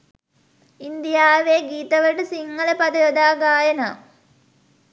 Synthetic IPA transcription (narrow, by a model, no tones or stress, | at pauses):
ind̪ijaːʋeɡiːt̪ɐʋɐʈɨsiŋːɐlɐpɐd̪ɐjod̪aːɡaːjɐnɐ